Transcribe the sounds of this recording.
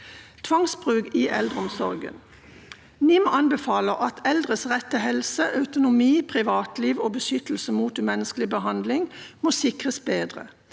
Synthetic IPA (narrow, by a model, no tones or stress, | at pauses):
t̪ʰʋɑŋsbʁʉːɡiːʔɛld̪ʁəɔmsɔʁɡə̰n | nɪmɑnbəfɑːləʁʔɑt̪ʰɛld̪ʁəsʁɛt̪ːəhɛlsəʔɑʉt̪ʊnʊmiːpʰʁɪʋɑːt̪liːʋoːbəʃʏt̪l̩səmuːt̪mɛnəskəlɪbəɦɑnd̪lɪŋmoːsɪkʁəsbeːd̪ʁə̰